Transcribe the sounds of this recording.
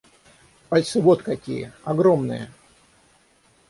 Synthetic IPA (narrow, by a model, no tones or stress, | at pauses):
pɐlʲsɨvot̪kɐkʲḭjəɐɡɾomnɨ̰jə̰